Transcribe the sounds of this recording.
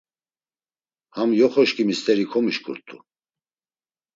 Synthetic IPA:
hamjɔχɔʃkʼimist̪ʰʼɛɾikʰɔmiʃkʼṵɾt̪ʼṵ

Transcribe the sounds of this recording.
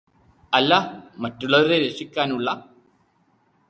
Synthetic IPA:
ɐlːɐmɐtːuɭːɐʋɐɾeɾeʂikʲːaːnuɭːɐ

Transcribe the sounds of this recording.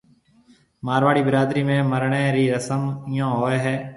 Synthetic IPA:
maːɾʋaːɽiːbəɾaːd̪ɾiːmẽːməɾɳeːɾiːɾəsəmɪjãːɦoːeːɦɛː

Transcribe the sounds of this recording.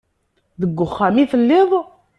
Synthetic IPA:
ðəɡːʊχːæmiθəlːɪðˤ

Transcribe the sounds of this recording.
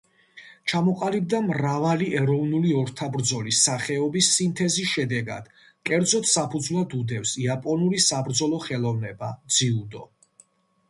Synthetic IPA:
t͡ʃʰamɔqʼalib̚d̪amɾavaliʔɛɾɔvnuliɔɾt̪ʰabɾd̪zɔlisaχɛɔbisːint̪ʰɛzisʃɛd̪ɛɡa̰d̪̥ | kʼɛɾd̪zɔt̪ʰsapʰud̪zvlˠad̪ud̪ɛfsiapʼɔnulisabɾd̪zɔlˠɔχɛlˠɔvnɛbad̪ziud̪ɔ

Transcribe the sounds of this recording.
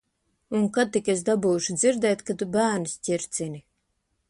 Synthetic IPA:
uŋkad̪̚t̪ːikes̬d̪abuːʃud̪ziɾd̪ɛːt̪kat̪ubæːɾnisʲcʲiɾt̪sini

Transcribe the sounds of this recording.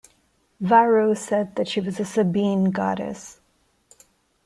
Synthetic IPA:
vaɹoʊsɛd̪̚ðɨtʃiwʌzɨsɨbĩnɡɑ̰ɾɨ̰s

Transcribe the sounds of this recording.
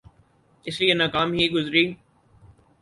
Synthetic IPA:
ɪslienaːkaːmɦiːɡʊzɾiː

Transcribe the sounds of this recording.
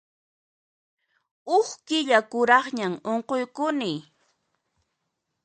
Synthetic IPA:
ʊχkɪʎakʊɾɑχɲamoɴqojkʊnɪ

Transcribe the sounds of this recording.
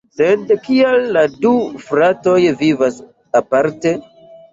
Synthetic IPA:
sedkialːadufɾato̞jvivas | apaɾte̞

